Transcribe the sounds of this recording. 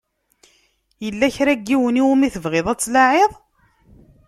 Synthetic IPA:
jəlːæçɾæɡːiwəniwumiθəvʁɪðˤæt͡sːlaʕeðˤ

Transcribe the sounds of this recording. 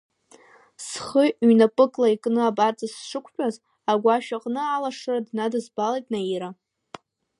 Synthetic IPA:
sχəɥnapʼɨkʼlaikʼnɨabart͡sʼasʂɨkʷʰʼħᶣʼaz | aɡʷaʃᶣaqʼnɨalaʂɨradnadɨzbalejtʼnaiɾa

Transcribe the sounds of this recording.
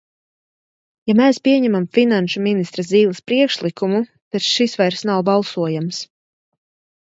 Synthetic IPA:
jamɛːspʲiɛɲɛmamfinanʃuminist̪ɾaziːlˠaspɾiɛkʃlˠikumu | t̪at̪ʃisvajɾsnawbɑlˠsuɔjams

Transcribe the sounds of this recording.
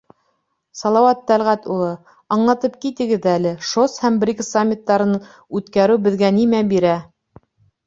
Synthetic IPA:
sɑlˠɑwɑt̪̚ːælʁæt̪ulˠɤ | ɑɴlˠɑt̪ɤp̚kit̪ɘ̆ɡɘðælɘʃoshæmbrʲiksamʲːit̪ːɑɾɤ̆n | ʉt̪kæɾɘwbɘ̆ðɡænimæbiɾæ

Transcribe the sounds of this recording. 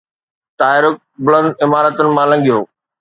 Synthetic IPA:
t̪aːɪɾʊk̚bʊlə̃nd̪ɪmaːɾət̪ʊnɪ̆mãlɐ̃ŋɡijoː

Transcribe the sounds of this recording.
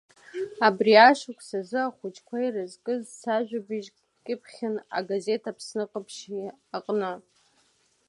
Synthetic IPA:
abriaʃakʷʰʼsazɨaχʷʊt͡ʃʼkʷʰairɨzkʼɨzsaʒʷᶣabiʒ | kʲʼɪpʰχʲɪna̰ɡaze̞tʰapʰsnɨqʼəpʰʃiaqʼnɨ

